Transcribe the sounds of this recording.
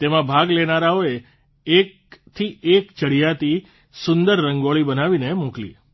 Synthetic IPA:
t̪emãbʱaɡlenaɾaoe | ek̚ | t̪ʰiekt͡ʃəɽijat̪i | sʊnd̪əɾːəŋɡoɭibənaʋinemuklḭ

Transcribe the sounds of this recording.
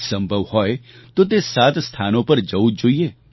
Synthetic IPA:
sə̃mbʱəʋhɔet̪ot̪̬esat̪st̪ʰanõpəɾd͡ʒəud͡ʒoːie

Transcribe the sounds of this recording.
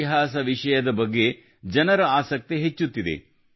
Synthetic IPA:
iɦaːsɐʋiʂɐjɐd̪ɐbɐɡːe̞ | d͡ʒɐnɐɾɐaːsɐk̚t̪eɦet͡ʃːut̪ːid̪e̞̰

